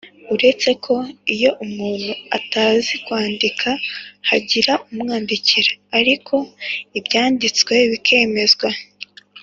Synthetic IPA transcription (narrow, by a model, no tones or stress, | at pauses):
uɾe̞t͡se̞kʰo̞ijo̞ʔumuːn̥hua̰taːzikwaːndikʰahaɟiɾaumŋaːndiciɾaːɾikʰo̞ibɟaːndit͡skweβikʰe̞ːme̞zɡwa